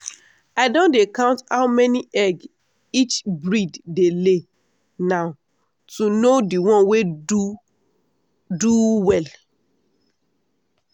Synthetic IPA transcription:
aɪdõndekãʊ̃nthaʊmɛniʔɛɡ | it͡ʃbɹiddele | naʊ | tunodiwɔ̃nweu | duwɛl

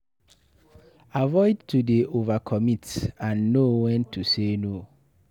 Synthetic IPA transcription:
avɔɪdtʰudeʔovakʰɔmĩtãnːowɛ̃ntʰusenõ

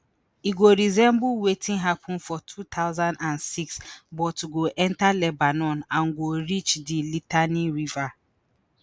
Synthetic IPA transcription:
iɡoɾizɛ̃mbʊwetĩnɦapʰʊ̃n̩fɔtʰut̪ʰaʊzãndansiksbɔtɡoʔɛ̃ntalɛbanɔnãŋɡoɾit͡ʃdilitaniɾiva

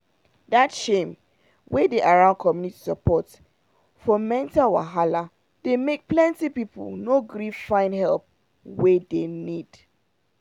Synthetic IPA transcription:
datʃẽm | wedeʔaɹãʊ̃nkʰɔmjuniti̥sapɔt | fɔmɛ̃ntawa̰ɦala | d̥emek̚plɛ̃ntipipə̰lnoɡɹifãɪ̃nhɛlp̚ | wedenid̥

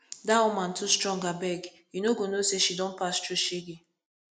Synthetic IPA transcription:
daɔmãn̩tʰustɾɔ̃ŋɡabɛɡ | junoɡonoseʃidɔ̃n̩pastuʃeɡe

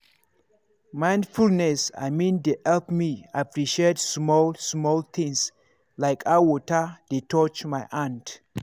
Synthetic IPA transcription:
mãj̃nfulnɛsa̰jmĩndeʔɛlpmiapɹiʃedsmɔlsmɔlt̪ʰĩŋs | laɪkʰawɔtədetʰɔt͡ʃmaɪʔãnd

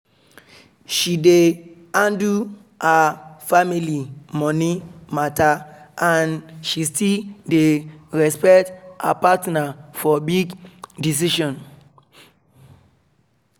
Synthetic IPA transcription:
ʃide | ãndu | hafamilimɔ̃nimataãnʃistildeɹɛspɛkta̰patnafɔbiɡdis̬iʃɔ̃n

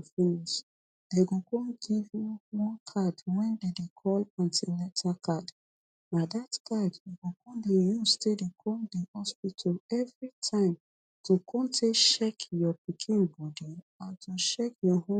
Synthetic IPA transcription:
finiʃ | d̥eɡokõnɡivjuwɔ̃nkʰadwɛ̃ndedekʰɔlãntʰilɛtʰakʰad | nadatkʰadjuɡokʰõndejustedekʰõldehɔspitʰɔlɛvɹitʰãɪ̃m | tokʰɔ̃ntʰeʃɛkjɔpikʰĩnbɔdi | ãntoʃɛkjɔhõ

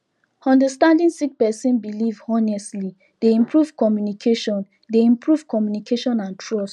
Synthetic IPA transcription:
ɔ̃ndəstãndĩnsik̚pɛsĩnbilivhɔnɛstli | deĩmpɹuvkɔmjunikʰeʃɔ̃n | deĩmpʰɹuvkʰɔmjunikʰeʃɔ̃nãntʰɹɔst

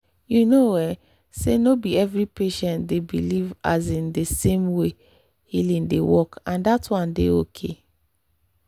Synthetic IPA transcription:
junowɛ | senobiɛvɹipeʃɛ̃ntdebḭliva̰zĩndesẽmwe | hilĩndḛwɔkãndatwɔ̃ndḛokʰe

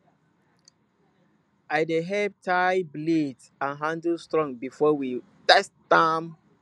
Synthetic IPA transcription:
aɪdeɦɛb̚tʰajblid | ãnɦãndəlstɹɔ̃ŋbifɔwi | tɛsdãm

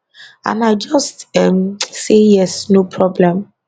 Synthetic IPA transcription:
ã̰naɪd͡ʒɔstɛmsejɛsnopʰɹɔblɛ̃m

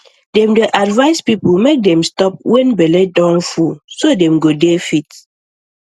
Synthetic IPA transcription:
dɛ̃mdeʔadvaɪspipumek̚dɛ̃mstɔp̚wɛ̃nbɛledɔ̃ŋfusodɛ̃mɡodefit

